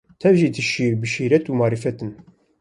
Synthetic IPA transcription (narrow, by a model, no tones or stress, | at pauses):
t̪ʰɛvʒiːt̪ʰɨʃiːɾbɨʃiːɾɛt̪uːmɑːɾifɛt̪ɨn